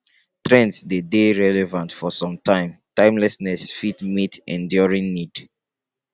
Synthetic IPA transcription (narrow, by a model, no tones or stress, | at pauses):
tɹɛ̃ntsdedeɹɛlɛvãntfɔsɔ̃mtʰãɪ̃mtãɪ̃mlɛsnɛsfitmitɛ̰̃ndjɔɹĩŋnid̥